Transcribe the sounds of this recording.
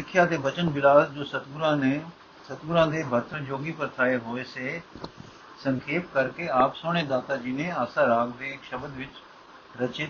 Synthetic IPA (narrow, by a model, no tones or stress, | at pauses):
ɪkʰjad̪ebɐt͡ɕənbɪlaːsd͡ʑoːsɐt̪ɡɾãne | sɐt̪ɡʊɾãːd̪ebʱɐt̪ɾəd͡ʑoːɡipɐɾt̪ʰɾaːeɦoːese | sɐ̃ŋkʰeːp̚kɐɾkeaːpsoːɽ̃ed̪aːt̪ad͡ʑiːnẽaːsãɾaːɡd̪eːkʃɐbəd̪ʋɪt͡ʃ | ɾɐt͡ʃe